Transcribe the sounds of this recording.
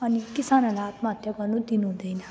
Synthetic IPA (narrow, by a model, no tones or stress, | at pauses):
ʌnikisanʌlaat̪maʌt̪ʰjʌɡʌrnud̪inuɦũd̪ʌjnʌ